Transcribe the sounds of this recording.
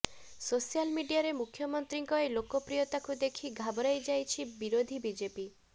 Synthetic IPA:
sosijalmiɖijaɾemukʰjɔmɔnt̪ɾiŋkɔelokɔpɾijɔt̪akud̪ekʰiɡʱabɔɾajd͡ʒajt͡ʃʰibiɾod̪ʱibid͡ʒepi

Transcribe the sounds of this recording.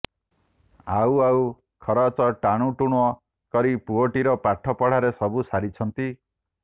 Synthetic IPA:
awau | kʰɔɾɔt͡ʃɔʈaɽ̃uʈuɽ̃uɔ | kɔɾipuoʈiɾɔpaʈʰɔpɔɽ̤aɾesɔbusaɾit͡ʃʰɔnt̪i

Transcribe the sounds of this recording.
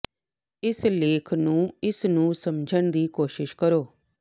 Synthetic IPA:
ɪsleːkʰnũːɪsnũːsəmd͡ʒʱəñd̪iːkoːʃɪʃkəɾoː

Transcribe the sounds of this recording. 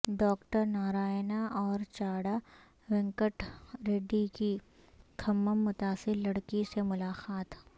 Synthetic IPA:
ɖɔːkʈəɾnaːɾaːɪnaʔɔːɾt͡ʃaːɽa | ʋɪ̃ŋkəʈɾeːɖiki | kʰɐmːəmːʊt̪aːsɪɾlɐɽkisemʊlaːxaːt̪

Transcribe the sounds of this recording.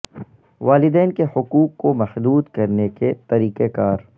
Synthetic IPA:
ʋaːlɪd̪ɛːnkehʊkuːkːomɐxd̪uːd̪kɐɾneket̪ɐɾiːkekaːɾ

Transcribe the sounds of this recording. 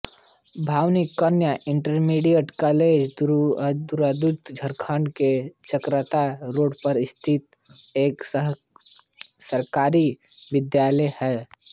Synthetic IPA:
bʱaːʋnikːənjaʔɪɳʈəɾmiɖijəʈkaleːd͡ʒd̪d̪uɾad̪ut̪d͡ʒʱəɾkʰaːɳɖket͡ʃəkɾat̪aɾoːɽpəɾɪst̪ʰɪt̪ | eːk | səɾkaːɾiʋɪd̪jaːləjhɛː

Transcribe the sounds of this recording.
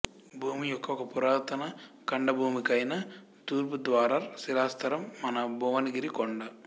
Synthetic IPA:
bʱuːmijɔkːɐɔkːɐpuɾaːɾt̪ɐnɐ | kɐɳɖɐbʱuːmikɐjnɐ | t̪uːɾp̬ud̪ʋaːɾaɾsilaːst̪ʰɐɾɐmːɐnɐbʱuʋɐnɐɡiɾikɔɳɖɐ

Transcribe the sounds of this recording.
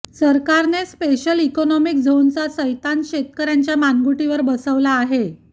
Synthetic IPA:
səɾkaɾnespeɕəlikɔnɔmik̚d͡zʱont͡sasəjt̪anɕet̪̚kəɾjaɲt͡ɕjamanɡuʈiʋəɾbəsəʋlaːɦe

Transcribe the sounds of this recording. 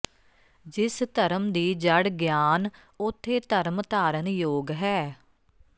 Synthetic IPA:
d͡ʒɪst̪əɾəmd̪iːd͡ʒəɽɡjaːn | ʊt̪ʰːeːt̪əɾmt̪aːɾənjoːɡɦɛː

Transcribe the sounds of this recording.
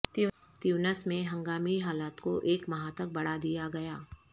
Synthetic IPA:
t̪ | t̪juʋnəsmẽɦɐ̃ŋɡaːmiɦaːlaːt̪koʔeːkmɐɦãt̪ɐk̚bɐɽ̤ad̪ijaɡɐjaː

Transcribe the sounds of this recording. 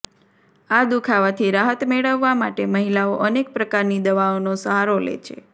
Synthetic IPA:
ad̪ukʰaʋat̪ʰiɾaɦət̪meɭəʋːamaʈeməɦilaoʔənek̚pɾəkaɾnid̪əʋaonosəɦaɾolḛt͡ʃʰḛ

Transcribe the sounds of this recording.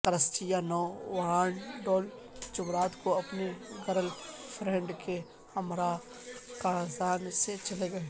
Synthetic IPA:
kəɾəsʈijanɔːwaːnɖɔːl | t͡ʃʊmɾaːt̪koɐpneɡɐɾəlpʰɾɛ̃ːɳɖke | hɐmɾa | kaːzaːnset͡ʃɐleɡɐe

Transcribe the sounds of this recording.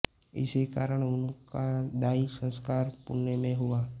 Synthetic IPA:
ɪ̰sekaːɾəɽ̃ʊnkad̪aːisə̃nskaːɾpʊ̰ɾnemẽɦuaː

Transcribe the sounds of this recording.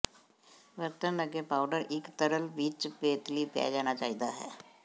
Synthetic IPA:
ʋəɾt̪ənːəɡepawɖəɾɪkt̪əɾəlʋiːt͡ʃpeːt̪liːpja̰jd͡ʒañat͡ʃaːɦid̪aɦɛ̰ː

